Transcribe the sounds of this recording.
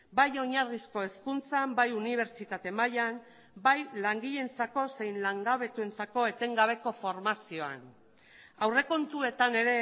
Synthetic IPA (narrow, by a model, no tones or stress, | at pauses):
bajo̞ɲaɾɣisko̞e̞skunt͡sambajuniβ̞e̞ɾt͡ʃit̪at̪e̞majam | bajlaŋɡiʎe̞nt͡sako̞se̞jnlaŋɡaβe̞t̪ue̞nt͡sako̞e̞t̪e̞ŋɡaβ̞e̞ko̞fo̞ɾmasio̞a̰n | awre̞ko̞nt̪ue̞t̪ane̞ɾe̞